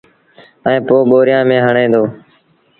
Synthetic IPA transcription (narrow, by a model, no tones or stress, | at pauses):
ẽːpoːɓoːɾɪjãːmẽːɦəɳẽːd̪oː